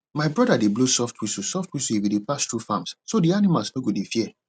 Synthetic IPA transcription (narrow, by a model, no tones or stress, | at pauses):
maɪbɹɔdadeblosɔftʰwisusɔftwisuiwidepastɹufãmssodianimalsnoɡodefiɛ